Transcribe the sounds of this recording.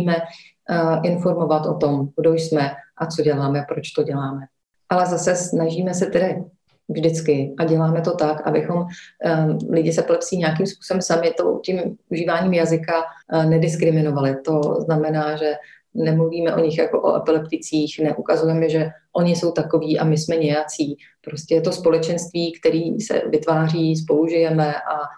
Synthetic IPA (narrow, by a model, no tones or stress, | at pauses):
imɛ | ʔɪnfo̞ɾmo̞vat̪ʔo̞t̪o̞mɡdojsmɛʔat͡so̞ɟɛlaːmɛpɾot͡ʃt̪o̞ɟɛlaːmɛ | ʔalɛzasɛsnaʒiːmɛsɛt̪ɛdɪ | vʒdɪt͡skɪʔaɟɛlaːmɛt̪o̞t̪akʔa̰bɪxo̞m | lɪɟɪsɛpɪlɛpsiːɲɛakiːmspu̥ːsobɛmsamɪt̪o̰cɪmʔuʒiːvaːɲiːmjazɪkanɛdɪskɾɪmɪno̞valɪt̪o̞znamɛnaːʒɛ | nɛmluviːmɛʔo̞ɲɪxjako̞̰ʔo̰ʔɛ̰pɪlɛpt̪ɪt͡siːxnɛʔukazujɛmɛʒɛʔoɲɪso̞wt̪ako̞viːʔamɪsmɛɲɛjat͡siː | pɾo̞scʲɛjɛt̪o̞spo̞lɛt͡ʃɛnst̪viːkt̪ɛɾiːsɛ̰vɪt̪vaːr̝iːs̬po̞luʒɪjɛmɛʔa